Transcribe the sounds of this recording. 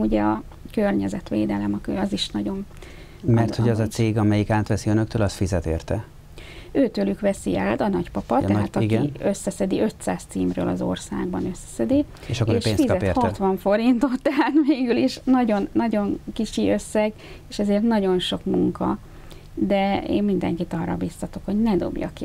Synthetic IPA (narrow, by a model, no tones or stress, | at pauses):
uɟɛɒ | kørɲɛzɛt̪ʋḛːd̪ɛlɛmɒkø̰ɒziʃnɒɟo̞n | mmɛrt̪hoɒzɒt̪seːɡɒmɛjikaːt̪ʋɛsiønøkt̪øːlɒst̪fizɛt̪ḛːrt̪ɛ | øːt̪øːlykʋɛsiaːt̪ɒnɒɟpɒpɒt̪ɛaːt̪ɒkɡiø̞sːɛsɛd̪iʔø̞t̪saːst̪siːmrø̰ːlɒ̰zo̞rsa̰ːɡ̚bɒnø̞sːɛ̥sɛd̪i | eʃɒkːoːʃeːnsfizkɒɛperɒt̪ʋɒɱfo̞ɾint̪o̞t̪ːɛɦaːt̪meːɡyliʃnɒɟo̞nːɒɟo̞ŋkit͡ʃiʔøsːɛɡ | eːʃɛzeːrt̪nɒɟo̞nʃo̞kmuŋkɒ | d̪ɛḛːmmind̪ɛ̰ŋkit̪ɒrːɒ̰bist̪ɒt̪o̞kho̞ɟnɛd̪o̞̰bjɒ̰k